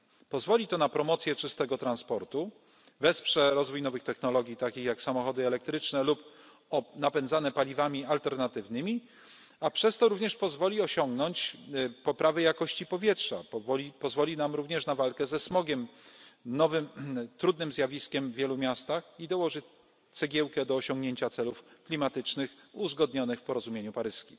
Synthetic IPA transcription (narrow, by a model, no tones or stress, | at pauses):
pɔzvɔlʲit̪ɔnapɾɔmɔt̪sʲjɛt͡ʂɘst̪ɛɡɔt̪ɾanspɔɾt̪u | vɛspʂɛɾɔzvujnɔvɘxt̪ɛxnɔlɔɡʲit̪akʲixjaksamɔxɔd̪ɘɛlɛk̚t̪ɾɘt͡ʂnɛlup | ɔnapɛnzanɛpalʲivamʲialt̪ɛɾnat̪ɘvnɘmʲi | apʂɛst̪ɔɾuvɲɛʂpɔzvɔlʲiɔɕɔŋɡnɔɲt͡ɕpɔpɾavɘjakɔɕt͡ɕipɔvʲjɛtʂa̰vɔipɔzvɔlʲinamɾuvɲɛʂnavalkɛzɛsmɔɡʲɛmnɔvɘmt̪ɾud̪̚nɘmzʲjavʲiskʲɛmvʲjɛlumʲjast̪axid̪ɔwɔʐɘt͡ɕ | t̪sɛɡʲɛwkɛd̪ɔːɕɔ̃ŋɡɲeɲt͡ɕat̪sɛlufklʲimat̪ɘt͡ʂnɘxuzɡɔd̪ɲɔnɘxfpɔɾɔzumʲeɲupaɾɘskʲi